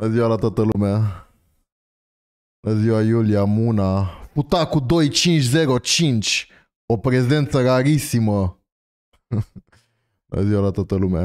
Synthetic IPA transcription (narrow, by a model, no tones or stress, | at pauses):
əziwalat̪oat̪əlumea | ləziwajulijamunafut̪akud̪o̞jt͡ʃint͡ʃʲze̞ɾo̞t͡ʃint͡ʃʲ | o̞pɾe̞ze̞nt̪səɾaɾisimə | lə̰ziwalat̪oat̪əlumea̰